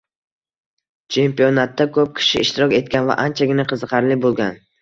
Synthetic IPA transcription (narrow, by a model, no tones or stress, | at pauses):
t͡ʃʰe̞mpijonat̪ːakʰɵp̚kʲʰɪ̥ʃɪɪʃt̪ɪɾɒkʲe̞t̪̚kʲʰanva̰ʔant͡ʃʰaɡʲɪnaqʰɨzɨqʰɑɾlɪbolˠɡʲan